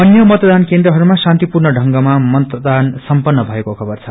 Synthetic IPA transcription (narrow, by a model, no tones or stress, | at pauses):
ʌnjʌmʌt̪ʌd̪ankend̪rʌɦʌɾumasant̪ipurnʌɖʱʌŋɡʌmamʌt̪d̪ansʌmpʌnːʌbʱʌekokʰʌbʌrt͡sʰʌ